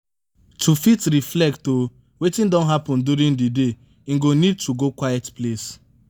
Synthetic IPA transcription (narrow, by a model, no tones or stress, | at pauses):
tʰufitɾiflɛk̚to | wetĩndɔ̃nɦapɔ̃nduɾĩndide | ĩŋɡonid̚tʰuɡokwajɛtples